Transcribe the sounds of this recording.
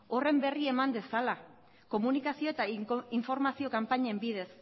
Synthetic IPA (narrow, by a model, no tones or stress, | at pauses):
o̞re̞mbe̞rie̞mand̪e̞sala | ko̞munikasio̞e̞t̪aiɱfo̞ɾmasio̞kampaɲe̞mbið̞e̞s